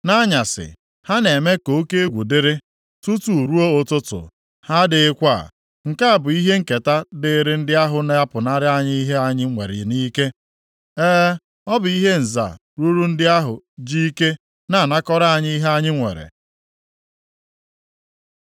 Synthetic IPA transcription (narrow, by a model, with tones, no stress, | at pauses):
na˦ɲa˨sɪ̰˨ | ha˦ne˨me˦ko˨o˦ke˦e˦ɡʷu˨dɪ˦ɾɪ˦ | tu˦tu˨ɾu˦o˦ʊ˨tʊ˦tʊ̰˨ | ha˦dɪ˨ɪ˦kʷa˦˨ | ŋ̩˨ka˦a˨bʊ˨i˦ɦe˦ŋ̩˦ke˨ta˦dɪ˨ɾɪ˦n̩˦dɪ˦a˦ɦʊ˨na˦a˦pʊ˨na˦ɾɪ˦a˦ɲɪ˦i˦ɦe˦a˨ɲɪ˦ŋʷḛ˨ɾɪ̰˨ni˦ke˦ | ɛː˦ | ɔ˦bʊ˨i˦ɦe˦n̩˨za̰˨ | ɾu˦ɾu˦n̩˦dɪ˦a˦ɦʊ̰˨ | d͡ʒi˦ke˦ | na˨na˦kɔ˦ɾa˦˨ɲ˦i˦ɦe˦a˦ɲɪ˦ŋʷḛ˨ɾḛ˨